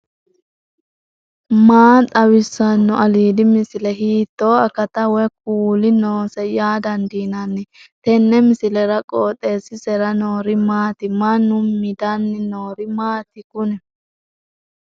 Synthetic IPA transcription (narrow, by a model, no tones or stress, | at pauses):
maːt̪ʼɐwɪsːɐnːɔʔɐliːd̪ɪmɪsɪlɛɦiːt̪ːoːɐkɐt̪ɐwɛk̚uːlɪnoːsɛjaːd̪ɐnd̪iːnɐnːɛt̪ɛnːɛmɪsɪlɛɾɐkʼoːt̪ʼːe̞ːsɪsɛɾɐnoːɾɪmaːt̪ɪmɐnʊmːɪd̪ɐnːɪnoːɾɪmaːt̪ɪkʊnɛ